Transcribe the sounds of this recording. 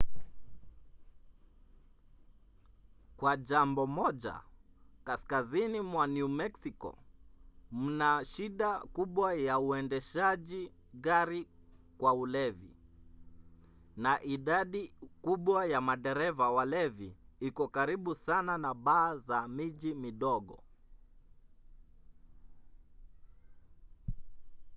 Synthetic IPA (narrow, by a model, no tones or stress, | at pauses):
kwaʄambɔmɔʄa̰kaskazinimwanumɛksikɔ̰ | m̩naʃiɗakuɓwajauɛndɛʃaʄiɣaɾikwaulɛvḭ | naʔiɗaɗikuɓwajamaɗɛɾɛvawalɛviikɔkaɾiɓusananaɓaːzamiʄimiɗɔɠɔ̰